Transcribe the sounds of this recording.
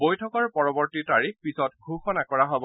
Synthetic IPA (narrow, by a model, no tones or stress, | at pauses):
bojtʰɔkɔɹpɔɹɔbɔɹtitaɹix̚pisɔtɡʱuxɔnakɔɹaɦobɔ